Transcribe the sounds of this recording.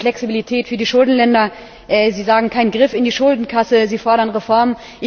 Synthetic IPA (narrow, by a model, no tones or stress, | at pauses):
flɛksibilitʰɛːtfyːɐdiːʃʊldn̩lɛndɐ | ʔɛːziːzaːɡŋ̩kʰaɪnənɡʁɪfɪndiːʃʊldn̩kʰasəziːfɔɐɾɐnʁefɔɐmən | ʔɪ